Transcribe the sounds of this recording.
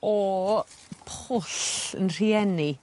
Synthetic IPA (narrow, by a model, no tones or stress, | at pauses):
ɔ | pʰʊɬə̰nr̥iɛni